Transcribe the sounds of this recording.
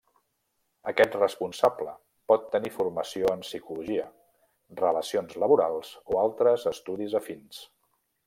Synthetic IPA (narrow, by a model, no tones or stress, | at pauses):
əkɛt̪rəspunsablə | pɔt̪ːənifurməsioənsikuluʒiə | rələsionzləβuɾalˠz̥oalˠt̪ɾəzəst̪uðizəfins